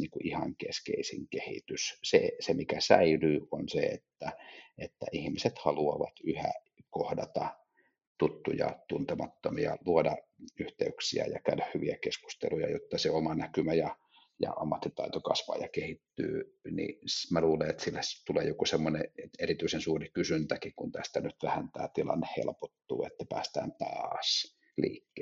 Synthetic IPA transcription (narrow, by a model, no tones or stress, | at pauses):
niːŋkuʔihɑŋkeskḛisḭŋkehḭt̪yssḛsemikæsæilyːonseḛt̪ːæet̪ːæ̰ʔihmiset̪hɑluɑʋɑ̰t̪yhæ̰ | kohdɑt̪ɑ | t̪ut̪ːujɑ̰t̪unt̪emɑt̪ːomiɑ̰luodɑyht̪eyksiæ̰jɑkælæhhyʋiækesku̥st̪ḛlujɑ̰jot̪ːɑseomɑnækymæjɑ | jɑ̰ʔɑmːɑt̪ːit̪ɑit̪okɑsʋɑ̰ːjɑkehit̪ːy̰ːnḭsmæluːleet̪silːæst̪uleːjokosemːoneerit̪yisensuːrikysynt̪ækikunt̪æst̪ænyt̪ʋæhænt̪æːt̪ilɑ̰nːehhḛlpot̪ːṵːet̪ːæpæːst̪æ̰ːnt̪ɑːs | liːkːeː